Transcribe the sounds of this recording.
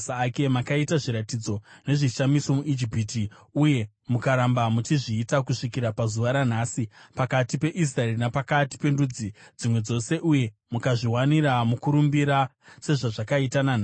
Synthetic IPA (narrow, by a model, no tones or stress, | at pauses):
saːke̞makaitaʐiɾatid͡zo̞ne̞ʐiʃamiso̞muʔid͡ʒipiːtiuje̞ | mukaɾambamutiʐiːtakuʂikiɾapazuʋaɾan̤aːsipakatipe̞ʔis̬raerinapakati̥pe̞ndud͡zid͡zimwe̞d͡zo̞se̞ʔuje̞mukaʐiwaniɾamukuɾumbiɾa | se̞ʐaʐakaitanan